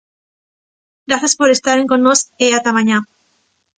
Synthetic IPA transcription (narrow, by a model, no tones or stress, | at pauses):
ɡɾaθaspoɾest̪aɾeŋkõnːoseat̪amaɲa